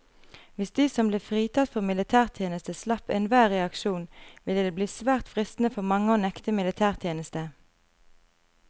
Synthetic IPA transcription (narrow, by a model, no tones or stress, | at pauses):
ʋɪsd̪iːsɔmbleːfʁiːt̪ʰɑt̪fɔʁmɪlɪt̪ʰæːʁt̪ʰjeːnəst̪əslɑpeːnʋæːʁɛɑkʃuːnʋɪləd̪eːbliːsʋæːʁt̪fʁɪst̪n̩əfɔʁmɑŋːəoːnɛkt̪əmɪlɪt̪ʰæːʁt̪ʰjeːnəst̪ə